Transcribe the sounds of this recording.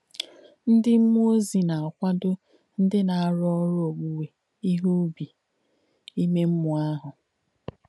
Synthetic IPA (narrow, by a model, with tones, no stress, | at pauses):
n̩˦dɪ˦m̩˦mu˦o˦zi˨na˨a˨kʷa˦dʊ˦ | n̩˦dɪ˦na˨a˨ɾɔ˦ɾʊ˦o˨ɡ͡bu˨we˨ | i˦ɦu˦bi˨ | i˦me˦m̩˦mʊ˨a˦ɦʊ˨